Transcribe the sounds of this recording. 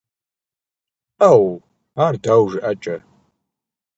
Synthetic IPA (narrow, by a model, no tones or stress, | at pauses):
ʔaw | aːrdaːwʒɪʔat͡ʃʼɐ